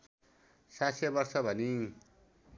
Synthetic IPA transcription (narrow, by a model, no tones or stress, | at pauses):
sasebʌrsʌbʱʌni